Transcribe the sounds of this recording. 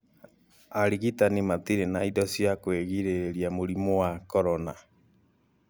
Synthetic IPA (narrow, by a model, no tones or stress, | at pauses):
aɾiɣitanimat̪iɾenaidɔsjakweɣiɾeɾiamoɾimɔwakɔɾɔna